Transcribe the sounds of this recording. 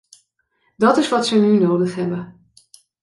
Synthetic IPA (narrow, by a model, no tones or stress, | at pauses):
dɑtɪsʋɑtsənynowdəχɦɛbən